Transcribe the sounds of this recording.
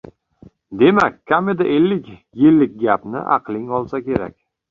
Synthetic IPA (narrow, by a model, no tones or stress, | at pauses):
d̪e̞makʲʰːamed̪ɪʔelːɪkʲ | jɪlːɪk̚ʲɡʲapnɪ̰ʔɑ̰qlˠɪŋɒlˠsakʲe̞ɾa̰kʲ